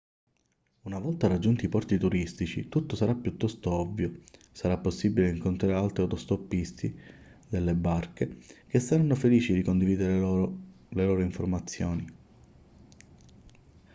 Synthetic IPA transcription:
unavɔlt̪arad͡ʒːunt̪iːpɔrt̪it̪uɾist̪it͡ʃḭt̪ut̪ːosaɾapːjut̪ːɔst̪oɔvːjo | saɾapːosːibileiŋkont̪ɾaɾealt̪ɾiat̪ɔst̪opːist̪i | d̪elːebarkek̟esːaɾanːofeliːt͡ʃid̪ikond̪iviːd̪eɾe | leloːɾoiɱformat̪sːjoːni

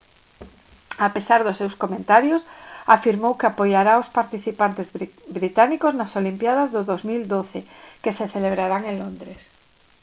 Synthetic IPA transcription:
apesaɾðʊsːewskomẽnt̪aɾjosafiɾmowkeapojaɾaospaɾt̪iθipant̪ezbɾit̪anikoznasolimpjað̞azðʊðozmild̪oθekeseθeleβ̞ɾaɾaŋeŋlond̪ɾes

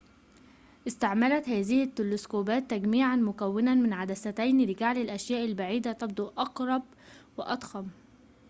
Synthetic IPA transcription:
ʔɪst̪aʕmalat̪hæːzɪhɪt̪ːɪlʊskoːbæːt̪ːaɡmiːʕanmʊkawːɪnanmɪnʕad̪asat̪ajnlɪɡaʕlɪlʔaʃjæːʔɪlbaʕiːd̪at̪ɑbd̪ˤuʔɑqɾˤɑb̚ | wɪʔɑt̪ˤxɑm

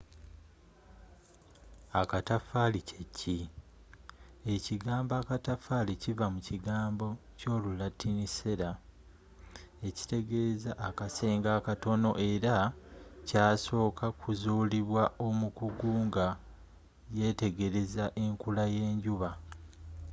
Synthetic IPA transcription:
akatafalicʰecʰːi | e̞ciɡaːmbakatafaːlicivamuciɡaːmbo̞co̞ːlulatʰːinise̞ɾa | e̞ci̥te̞ɡe̞zaʔːkase̞ːŋɡaːkato̞no̞̰ʔe̞ɾacaːso̞ːkʰakʰuzuːliβwaʔo̞mukuɡuːŋɡa | je̞te̞ɡeɾe̞zaʔe̞ŋkulaje̞ːɲɟuβa

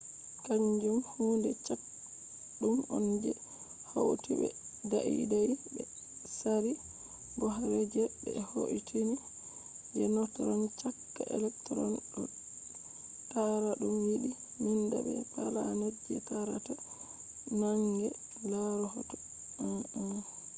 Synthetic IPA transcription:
kaɲd͡ʒumhuːndɛt͡ʃak̚ | ɗumɔnd͡ʒɛ | howtiɓɛ̰daʔḭdajbɛ | saɾi | ɡɔɦaɾed͡ʒɛbɛho̰ʔitʰini | d͡ʒɛnɔtɔɾɔnt͡ʃakːaʔɛ̰lɛktɔɾɔnɗɔ | taɾaɗumjiɗi | minda̰ɓɛ̰palanad͡ʒɛtaɾata | naŋɡɛ | laɾɔhɔtɔ

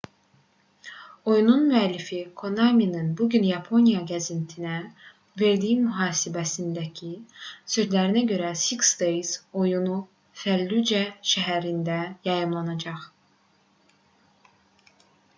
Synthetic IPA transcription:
o̞jununmyælːifikʰo̞nɑminɯnbuɟynjɑpʰo̞nijɑɡæzint̪ʰinæ | ve̞ɾd̪ijimyɦɑːsibæsind̪æcʰisø̞zlæɾinæɟø̞ɾæsiksd̪ejzo̞junu | fælːyd͡ʒæʃæɦæɾind̪æjɑjɯmlˠɑnɑd͡ʒɑχ

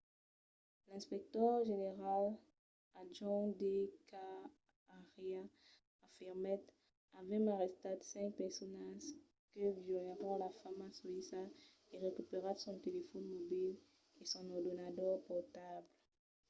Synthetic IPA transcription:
lɛ̃spɛk̚t̪œʁʒeneʁal | aʒɑ̃d̪ekaː | ʁjã | afiʁmɛt̪ | avɛ̃maʁɛst̪ad̪sɛ̃ŋk̚pɛʁsɔnaʒ | kəvjɔlaʁɔ̃lafamasɔisa | eʁekypeʁasɔ̃t̪elefɔnmɔbil | esɔ̃nɔʁd̪ɔnat̪ɔʁpɔʁt̪abl

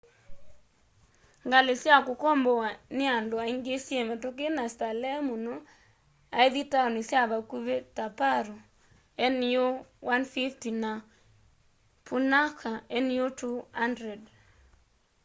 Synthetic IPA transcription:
ŋɡalesjakʊkɔmbɔwanɪandoaiŋɡesjemɛtok̬enastalɛmuno | aeðitanisjaβakuβetapaɾo | ɛnjowanfiftina | pʰunakʰaɛnjotuhandɾɛd

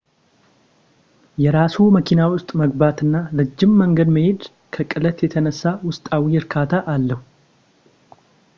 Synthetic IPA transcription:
jɛɾasuməkʰinawʊst̪ʼməɡbat̪ɨnːalɨd͡ʒːɪmːəŋɡəd̪məhed̪ | kʰəkʼɨlət̪jɛt̪ʰənəsːawʊst̪ʼawiɪɾkʰat̪ʰaʔalːəhu

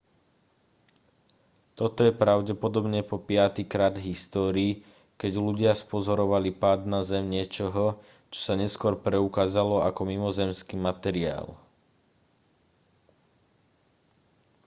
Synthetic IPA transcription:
t̪ɔt̪ɔjɛpɾaʊɟɛpɔd̪ɔbɲɛpɔpɪat̪ikɾaːd̪ɦist̪ɔːɾiː | kɛɟluɟɪaspɔzɔɾɔʋalipaːd̪nazɛmɲɪɛt͡ʃɔɦɔ | t͡ʃɔ̥saɲɛskʊɔɾpɾɛukaːzalɔakɔmimɔzɛmskiːmat̪ɛɾia̰ːl

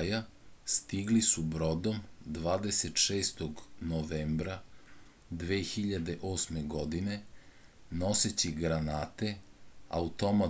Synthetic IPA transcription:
ja | st̪iɡlisubɾo̞d̪o̞md̪ʋaːd̪eset̪ʃeːst̪oɡnoʋeːmbɾa | d̪ʋeːxiʎad̪e̞ʔoːsme̞ɡo̞d̪ine̞ | no̞set͡ɕiɡɾanaːt̪e̞a̰ut̪o̞ma

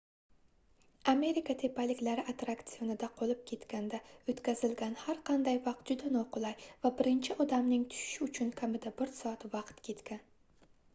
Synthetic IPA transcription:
ame̞ɾɪkʰat̪ʰe̞palɪkʲlaɾɪʔat̪ɾakt̪sionɪd̪aqʰolˠɪp̚kʲʰe̞t̪kʲand̪aot̪kʲazɪlɡʲanhaɾqʰɑnd̪ajvɑq̚t̪̚d͡ʒʊd̪anɒqʊlˠajvabɪɾɪnt͡ʃʰɪʔɒd̪amnɪŋt̪ʰʊ̥ʃɪ̥ʃɪʊt͡ʃʰʊnkʲʰamɪd̪abɪɾsɒat̪vɑqt̪kʲʰe̞t̪kʲan

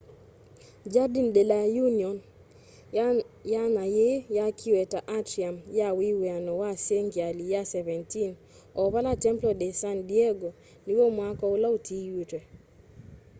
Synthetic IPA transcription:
d͡ʒadindelajuniɔn | janajejakʰiwɛtaʔatɾiamjawiwɛanɔwaseŋɡialijasɛvɛntin | ɔβalatɛmplɔdesandieɡo | liwomwakɔʊlautʰijutwɛ

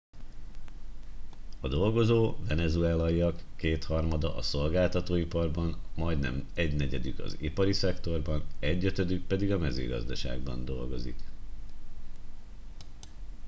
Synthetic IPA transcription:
ɒd̪o̞lɡo̞zoːvɛnɛzuɛlɒiɒkːeːt̪hɒrmɒd̪ɒʔɒso̞lɡaːlt̪ɒt̪oːipɒrbɒnmɒjd̪nɛ̰mɛɟnɛɟɛd̪ykɒ̰zipɒɾisɛkt̪o̞rbɒnɛɟːø̞t̪ø̞d̪yk̚pɛd̪iɡɒmɛzy̰ːɡɒ̰zd̪ɒʃa̰ːɡbɒ̰nd̪o̞lɡo̞zḭk

